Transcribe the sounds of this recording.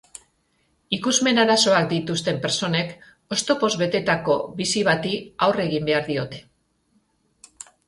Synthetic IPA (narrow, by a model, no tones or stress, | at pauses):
ikuzme̞naɾaso̞akd̪it̪ust̪e̞mpe̞ɾso̞ne̞k | o̞st̪o̞po̞zβe̞t̪e̞t̪ako̞βisiβ̞at̪iawre̞ɣimbe̞aɾðio̞t̪e̞̥